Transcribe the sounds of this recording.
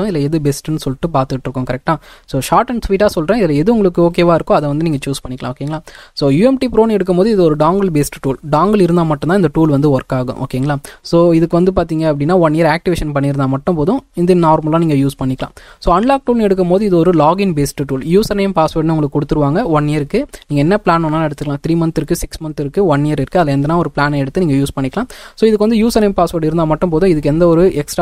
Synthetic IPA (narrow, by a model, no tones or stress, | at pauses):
ʊ̃ɪðɪlɐɛðɯbɛsʈnːɯsɔlːɪʈːɯpaːɾt̪ɯkɪʈːɾɯkːʊ̃kɐɾɛk̚ʈaːsoːʃaːɾʈɐɳsʋiːʈaːsɔlɾẽːɪðɪlɛðɯʊŋɡɐɭɯkːɯoːk̬ːeːʋaːɪɾɯkːʊ̃ɐðɛʋɐnd̪ɯniːŋɡɐt͡ʃuːspɐɳːɪkɐlã̰ːoːkeːŋɐɭaːsoːjuːɛmʈipɪɾoːnɛɽɯk̬ːɯmpoːðɯɪðɯɔɾɯɖaːŋɡɐlbeːsʈʈuːlɖaːŋɡɐlɪɾɯnd̪aːmɐʈːʊ̃nãːɪnd̪ɐʈuːlʋɐnd̪ɯʋɔɾkːaːɣʊ̰̃ʔo̰ːkeːŋɡɐɭaːsoːɪðɯkːɯʋɐnd̪ɯp̬aːɾt̪̬iːŋɡɐɐp̬ːɐɽɪnːaːʋɐnːijːɐɾaːk̚ʈɪʋeːʂɐnpɐɳːɪɾɯnd̪aːmɐʈːɯ̃mpoːðʊ̃ɪnd̪ɯnaːɾmɐlãːniːŋɡɐjuːspɐɳːɪkːɐlã̰ːsoːɐɳlaːk̚ʈuːlnɛɽɯk̬ːɯmpoːðɯɪðɯɔɾɯlaːɡɪnbeːsʈʈuːljuːsɐneːmpaːsʋɐːɾʈnɯʊŋɡɐɭkːkɔɽɯt̪ːɯɾɯʋaːŋɡɐɔɳːɪjɐɾɯkːɯniːɡɐɛnːɐpɭaːnɔnːaːɛɽɯt̪ːɯkːlãːt̪ɪɾiːmɐntɪɾɯkːɯsɪksmɐnsɪɾɯkːɯʋɐɳːɪjɐɾɪɾɯkːɯɐðɪlːɐɛnd̪ɐnaːɔɾɯpɭaːnɐɛɽɯt̪ːɯniːŋɡɐjuːspɐɳːɪkːɐlãːsoːɪðɯkːʋɐnd̪ɯjuːsɐnejmpaːsʋɐːɽɪɾɯnd̪aːmɐʈːɯ̃mpoːðʊ̃ɪðɯkːɛnd̪ɐɔɾɯɛksʈ